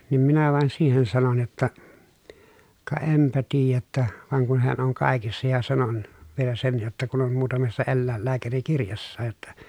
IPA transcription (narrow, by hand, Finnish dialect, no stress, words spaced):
niːm minæ ʋɑˑen siːhen sɑnon jotːɑ kɑ empæ tiːjæ tːæ ʋɑˑeŋ kun heæn oŋ kɑˑekisːɑ jɑ sɑnon ʋielæ sen jotːɑ kun om muːtɑmesːɑ elːæˑelːæːkærikirjɑsːɑːj jotːɑ